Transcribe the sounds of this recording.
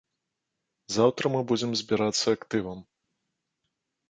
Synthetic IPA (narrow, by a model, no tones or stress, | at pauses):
zawt̪ɾɐmɨbud͡zʲɛmzʲbʲiɾat̪sːɐːkt̪ɨvɐm